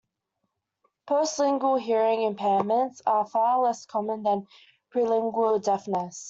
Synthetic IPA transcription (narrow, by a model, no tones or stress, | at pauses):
pʰɜˑsɪ̃ŋɡəlˠɦɪəɹɪ̃ŋɪ̃mpʰɛɪmə̃ntsəfɑːlɛskʰɒmə̃nðə̃n | pʰɹ̥ɪlɪ̃ŋɡwəlˠdɛfnəs